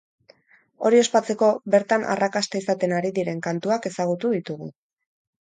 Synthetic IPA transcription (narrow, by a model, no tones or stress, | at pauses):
o̞̰ɾio̞spat͡se̞ko̞βe̞ɾt̪anʔa̰rakast̪aisat̪e̞naɾiðiɾe̞ŋkant̪uake̞saɣ̞ut̪uðit̪uɣṵ